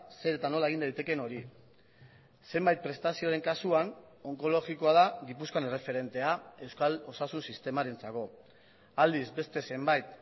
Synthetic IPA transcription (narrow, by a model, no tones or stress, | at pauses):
se̞ɾe̞t̪ano̞laeɣind̪ajt̪e̞ke̞no̞ɾi | se̞mbajt̪̚pɾe̞st̪asio̞aɾe̞ŋkasuan | o̞ŋko̞lo̞ɣiko̞aðaɡipuskoane̞re̞fe̞ɾe̞nt̪e̞ae̞wskalo̞sasunsist̪e̞maɾe̞nt͡sako̞ | ald̪izbe̞st̪e̞se̞mbajt̪̚